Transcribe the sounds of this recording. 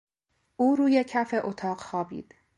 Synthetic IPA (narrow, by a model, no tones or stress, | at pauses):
ʔuːɾuːjecʰæfe̞ʔot̪ʰɒːɢxɒːbḭːd̪̥